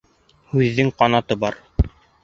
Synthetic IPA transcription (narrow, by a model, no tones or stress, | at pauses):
hʉðːɘŋqɑnɑt̪ɤbɑɾ